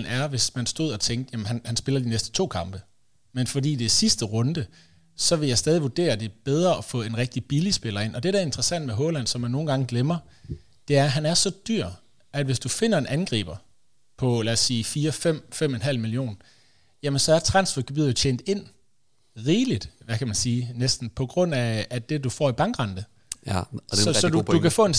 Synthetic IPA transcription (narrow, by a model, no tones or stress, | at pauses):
ln̩æɐʋe̝smænsd̥o̝ð̰ˠɒt͡sʰeŋɡd̥jæmənhænhænsb̥e̝lɐd̥inesd̥ə̥t͡sʰo̝̰ːkʰɑ̈mb̥ə | menfɒ̽dḭːd̥esisd̥əʁɔ̽nd̥ə | sɒ̽ʋe̝jɑ̈ɪsd̥ɛːðˠiʋud̥e̝̰ːɐd̥e̝b̥eð̞ˠʁɐɒ̽fɔ̰̽e̝nʁɛɡ̥̚d̥ib̥ilisb̥e̝lɐe̝n̰ɒ̽d̥e̝ɾæɐe̝nd̥ʁɐsæn̰d̥̚meɦɔ̽ːlæn̰sɒ̽mænːo̝ːn̩ɡ̥ɑ̈ŋəɡ̥lemɐ | d̥e̝æɐɦænæɐsɒ̽d̥yɐ̰ | ʔæd̥ʋe̝sd̥ufe̝nɐe̝nʔænɡ̥ʁḭːb̥ɐ | pʰɒ̽læ̰ːsiːfiːɐfem̰fem̰enɦæl̰milijo̝̰ːn | jæmənsɒ̽æɐt͡sʰʁɑ̈nsfɒɡ̥eb̥ið̰̩ˠt͡ɕʰend̥e̝n̰ | ʁiːlid̥ʋækʰæmænsiːnesd̥n̩pʰɒ̽ɡ̥ʁɔ̽n̰æːd̥e̝d̥ufɒ̰ːib̥ɑ̈ŋɡ̥ʁɑ̈nd̥ə | sɒɒ̽dud̥ukʰæfɔ̰ːen